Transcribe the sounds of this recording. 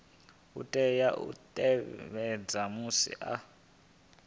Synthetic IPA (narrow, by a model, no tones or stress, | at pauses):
ṵtʼɛjaʔṵtʼɛβɛd͡zamusḭʔa